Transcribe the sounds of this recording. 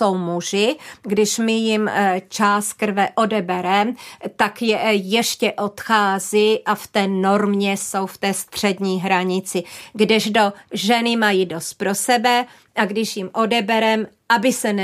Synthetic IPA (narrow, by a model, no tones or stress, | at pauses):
o̞wmuʒɪɡdɪʃmɪjɪmt͡ʃaːs̚kr̩vɛʔo̞dɛbɛɾɛmt̪akjɛjɛʃcɛʔo̞t̪xaːzɪʔaft̪ɛːno̞ɾmɲɛso̞wft̪ɛːst̪r̝̥ɛdɲiːɦɾaɲɪt͡sɪɡdɪʒdo̞ʒɛnɪmajido̞st̪̚pɾo̞sɛbɛ | ʔaɡdɪʃjɪmʔo̞dɛbɛɾɛm | ʔabɪsɛn